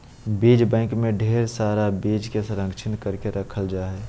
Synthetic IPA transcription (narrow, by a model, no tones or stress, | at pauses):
beːd͡ʒbɛ̃ɪkmẽɖʱeːɾsaːɾabed͡ʒkesəɾə̃ŋɡt͡ʃʰɪnkəɾkeɾʔəkʰəld͡ʒaːɦɛ